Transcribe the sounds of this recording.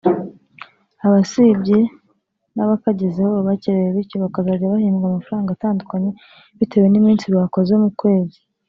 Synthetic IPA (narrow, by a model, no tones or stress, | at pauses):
aβasibɟe | naβakaɟezehoββaceɾejeβiɾcoβakazaːɟaβahiːmɡamafɾaːŋɡataːndukaɲe̞ | βite̞we̞nimiːnsiβakozeomukwe̞ːze